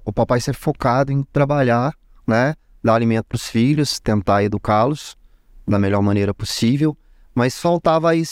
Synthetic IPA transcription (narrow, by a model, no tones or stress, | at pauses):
ʊpapajsɛvfokad̪ʊẽj̃t̪ɾabaʎa | nɛ | d̪aɾalimẽnt̪ʊ̥pɾʊsfiʎʊst̪ẽnt̪aed̪ukalʊs | d̪ɐmeʎɔɾmɐ̃nejɾɐposivew | mɐsfawt̪avɐis